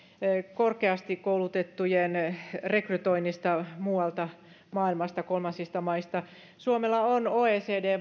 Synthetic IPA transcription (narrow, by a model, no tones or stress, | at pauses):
korkeɑst̪ikkoulut̪et̪ːujenrekryt̪oinːist̪ɑmuːɑlt̪ɑ | mɑːilmɑst̪ɑkolmɑnsist̪ɑmɑist̪ɑ | suomelːɑonoːeːseːdeː